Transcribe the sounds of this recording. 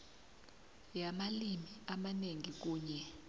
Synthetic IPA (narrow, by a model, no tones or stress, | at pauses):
jamalimiamaneŋik̬uːɲɛ